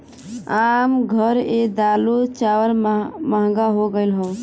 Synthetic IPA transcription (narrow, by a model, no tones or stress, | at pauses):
aːmɡʱəɾed̪alut͡ʃawəɾməɦɡaɦoɡəɪlɦəː